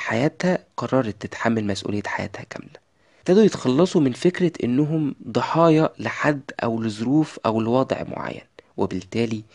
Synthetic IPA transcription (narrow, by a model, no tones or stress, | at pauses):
ħajæːt̪hæqɑrˤːɑːɾˤɑt̪ːet̪ħamːælmæsʔṵːlejːæħajæ̰ːt̪hækæ̰mlæ | t̪æːd̪ujet̪xɑlːɑsˤumɪnfekɾæʔḛnːʊɦʊmd̪ˤɑħɑːjɑlɪħad̪ːʔæ̰wlɪzˤʊɾuːfʔæwlɪwɑːd̪̰ˤʕmo̰ʕa̰jːæ̰nwebɪlt̪æːli